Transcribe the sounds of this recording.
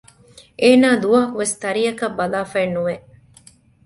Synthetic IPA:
ʔeːnaːd̪uʋaɦɐkuʋest̪ɐɾiɐkɐbːɐlaːfɐːnːuʋe

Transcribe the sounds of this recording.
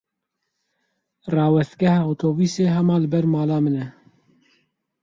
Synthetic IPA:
rɑːwɛst̪̚ɡɛhɑːot̪ʰoːbiːseːɦɛmɑːlɨbɛɾmɑːlɑːmɨnɛ

